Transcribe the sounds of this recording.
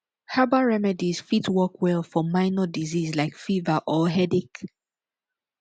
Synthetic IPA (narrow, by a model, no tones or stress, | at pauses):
habaɹɛmɛdiz̥fitwɔkʰwɛlˠfɔmaɪnɔdizizlaɪkfivaʔɔɦɛdik